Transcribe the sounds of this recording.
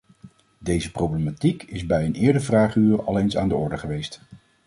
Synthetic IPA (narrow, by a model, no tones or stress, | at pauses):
dejzəprowblematikɪzbɛjənɪːɹdəɹvraːχyːrɑ̰lˠejnsa̰ːndəɔɹdəχəʋejst